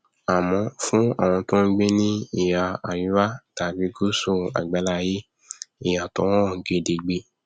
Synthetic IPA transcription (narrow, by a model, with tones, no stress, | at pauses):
a˨mɔ̃˧fũ˦a̰˦˨w̃ɔ̃˧tõ˦n̩˦ɡ͡be˦nĩ˦i˦˨ja˨a˨ji˨˦wa˦ta˨ɡ͡bi˦ɡo˦so˦˨a̰˨ɡ͡ba˨˦la˦je˦ | i˨ja˨tɔ̃˨˦ɔ̃˦˨˦ɡe˧de˨ɡ͡be˧